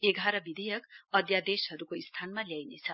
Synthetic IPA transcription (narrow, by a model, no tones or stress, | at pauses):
eɡʱaɾʌbid̪ʱejʌkʌd̪jad̪esɦʌɾukoist̪ʰanmaljajnet͡sʰʌ